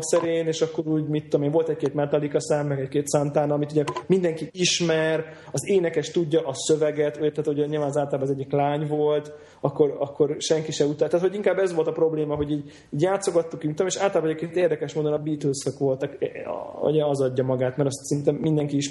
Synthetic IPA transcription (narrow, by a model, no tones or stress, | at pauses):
sɛɾeːneːʃɒkːo̞ɾuːɟmit̪ːomeːɱo̞lt̪ɛc̚keːt̪mɛt̪ɒlikɒsaːmːɛɡɛckeːt̪sant̪aːnɒmit̪uɟɛmind̪ɛŋkiiʃmɛɾ | ɒzeːnɛkɛʃt̪uɟːɒʔɒsøvɛɡɛt̪uɛt̪aːt̪hoɟɛɲiːlvaːnzaːlt̪ɒlabɒːzɛɟːiklaːɲvo̞lt̪ | ɒkːo̞ɾɒkːo̞rʃɛŋkiʃɛut̪alt̪aːt̪ho̞ɟiŋkaːbːɛzʋo̞lt̪ɒpɾo̞bleːmɒɦo̞ɟiːɟ | iːɟjaːt̪so̞ɡɒt̪ːukiit̪ːomeʃaːlt̪ɒlaːbɒɛɛket̪eːrd̪ɛkɛʃmoːd̪onɒbiːt̪ølsøkʋo̞lt̪ɒkɛ̰ṵɟɛɒzɒɟːɒmɒɡaːt̪mɛɾɒst̪sint̪ɛmːind̪ɛŋkiiʃ